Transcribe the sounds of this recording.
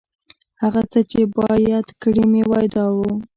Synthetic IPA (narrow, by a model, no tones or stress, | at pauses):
haɣat͡sət͡ʃebɑjad̪kɽimewɑjd̪ɑwu